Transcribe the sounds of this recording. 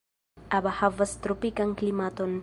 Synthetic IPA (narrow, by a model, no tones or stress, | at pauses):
ʔabahavəst̪ɾupikaŋklimat̪ɔn